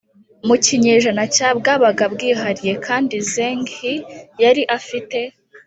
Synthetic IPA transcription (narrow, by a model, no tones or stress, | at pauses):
muciɲeːʒanacaːb̚ɡaːβaɡabɡiːɦaɾije̞kʰaːndizeːŋɡhijaɾiʔafite̞